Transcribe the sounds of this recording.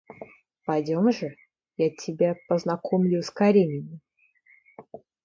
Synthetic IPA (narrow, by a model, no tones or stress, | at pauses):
pɐjdʲo̞mʐɨ | jatʲʰɪbʲapəznɐkʰomlʲʊskɐɾʲemʲɪnʲɪ